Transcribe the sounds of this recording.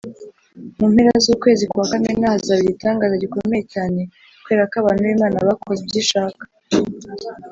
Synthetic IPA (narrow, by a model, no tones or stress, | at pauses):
mumhe̞ɾazuːkwe̞ːzikuwakamenahazaβiɾitaːŋɡazaɟiko̞me̞jecaːne̞ | kwe̞ːɾakaβaːn̥huβimaːnaβakʰozebɟiːʃaːkḁ